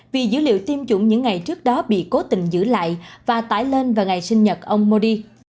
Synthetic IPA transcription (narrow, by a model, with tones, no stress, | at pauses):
vi˨˩zɨ̰˧˥lḭ˧˨əwt̪i˧əmt͡ɕʊ˧˩ŋ͡mɲɨ̰˧˥ŋːa˨˩jt͡ɕɨ˦˥ək̚ɗɔ˨˦ɓḭ˧˨ko˨˦t̪ï˨˩ŋ̟zɨ̰˧˥la̰ː˧˨jvaː˨˩t̪a̰ː˧˩jle˧nvaː˨˩ŋa˨˩jsï˧ŋ̟ɲə˨˩t̚ʔə˧wŋ͡mmo˧ɗi˧